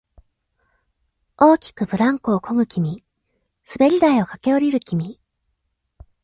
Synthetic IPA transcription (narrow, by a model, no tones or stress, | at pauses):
o̞ːkʲi̥kɯ̟bɯ̟ɾãŋko̞ːkʰo̞ŋɯ̟kʲimʲi | sɨbe̞ɾʲid̪aio̞kake̞o̞ɾʲiɾɯ̟kʲimʲi